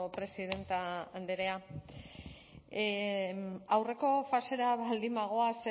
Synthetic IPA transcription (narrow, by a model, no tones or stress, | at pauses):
pɾe̞siðe̞nt̪aːnd̪eɾea | awre̞ko̞fase̞ɾaβald̪imaɣ̞o̞ase